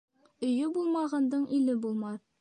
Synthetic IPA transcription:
ɵ̆jɵbulˠmɑʁɑnd̪ɤɴʔilɘbulˠmɑð

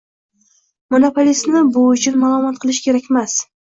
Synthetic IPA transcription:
monopʰolʲist̪nɪbʊʊt͡ʃʰʊnmalˠɒmɒt̪̚qʰɨlˠɪʃkʲe̞ɾakʲemas

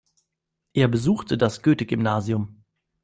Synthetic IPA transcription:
ʔeːɐbəzuːxtʰədasɡ̥øːtəɡʏmnaːziʊm

